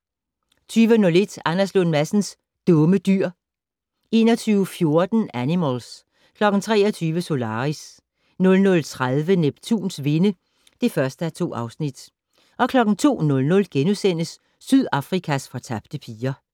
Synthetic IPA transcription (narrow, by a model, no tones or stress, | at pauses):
t͡sʰyːʋənɔ̽le̝d̥ɑnɐslonmæsn̩s | d̥ɔ̽məd̥yɐ̰ | e̝ːnɒ̽t͡sʰyːʊfjo̝ɐd̥n̩ænimæls | kʰlɒ̽ɡ̥n̩t͡sʰʁɛːɐt͡sʰyːʋəso̝lɑ̈ːʁis | nɔ̽lnɔ̽lt͡sʰʁaðˠʋəneb̥t͡sʰṵːnsʋe̝nə | d̥e̝fɶɐsd̥əæt͡sʰo̝̰ːɑ̈ʊsnid̥ | ʔɒ̽kʰlɒ̽ɡ̥n̩t͡sʰo̝̰ːnɔ̽lnɔ̽lɡ̥enusen̰əsː | yðˠɑ̈fʁikʰæsfɒ̽t͡sʰɑb̥d̥əpʰiːɐ